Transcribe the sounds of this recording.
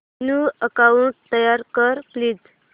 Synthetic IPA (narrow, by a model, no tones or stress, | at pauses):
nuəkaut̪əjaɾkəɾpliːd̪